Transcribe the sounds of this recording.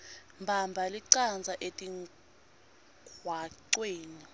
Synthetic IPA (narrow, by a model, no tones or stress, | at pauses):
mbʱambʱaliǀand͡zʱaʔetʼiŋ | ɡʱwaǀweːni